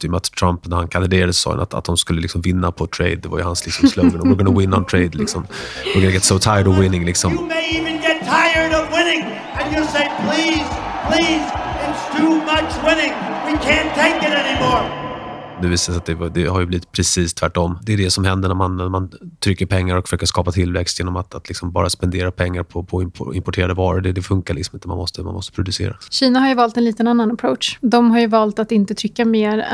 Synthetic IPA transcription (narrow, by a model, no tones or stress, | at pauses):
d̪ɛjmat̪t̪ʰɾampnæɾhankʰand̪ɪd̪eːɾad̪əssɔ̰ːha̰na̰t̪a̰t̪̚d̪ɔmskɵlːəlɪksɔmvɪnːapʰɔt̪ʰɾḛɪd̪̚ːɛva̰ɾjəhanslɪksɔmslɔɡənɔmːɡənawɪnːant̪ʰɾeɪd̪lɪksɔm | ʊɡənaɡɛt̪sot̪ʰaɪəɖɔwɪnɪŋlɪksɔmmeɪivɨ̃nɡɛtʰaɪə˞ɾʌvwɪ̃nɪ̃ŋ | ɨ̃njəlˠseɪpʰl̥iz̥pʰl̥izɪtstʰumʌt͡ʃwɪ̃nɪ̃ŋwikʰæ̃ntʰeɪkɨɾɛnimɔɹ | d̪ʉviːsaat̪̚d̪ɛd̪ɛhaɾjɵbliːvɪt̪̚pʰɾɛsiːst̪ʰvæʈːɔmːd̪ɛæɖɛsɔmhɛnd̪əɳæɾmanmant̪ʰɾʏkːəɾpʰɛŋːaɾɔkfœ̥ʂøːkəʂkɑːpat̪ʰɪlvɛ̰kst̪jeːnɔmat̪at̪ʰlɪksɔmbɑ̰ːɾaspɛnd̪eːɾapʰɛŋːaɾpʰɔpʰɔɪmpʰɔɪ̰mpɔʈʰeːɾad̪əvɑːɾəɖ̪ɛd̪ɛfɵŋkaɭɪksɔmɪnt̪əma̰mɔ̰st̪əma̰nmɔst̪ə̥pɾʊd̪ɵsḛːɾa̰ɕiːnaɦaɾjɵvɑːlt̪ɛnliːt̪ənanːanapʰɾowt̪ʂd̪ɔmɦaɾjɵvɑːlt̪at̪ɪnt̪ət̪ʰɾʏkːameːɾ